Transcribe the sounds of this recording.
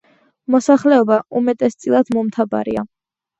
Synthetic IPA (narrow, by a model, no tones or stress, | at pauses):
mɔsaχlɛɔbaumɛt̪ʼɛst̪sʼilˠad̪̥mɔmt̪ʰaba̰ɾḭa